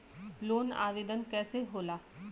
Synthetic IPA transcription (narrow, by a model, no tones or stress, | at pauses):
loːna̰ːʋeːd̪ənkɛːseɦoːlaː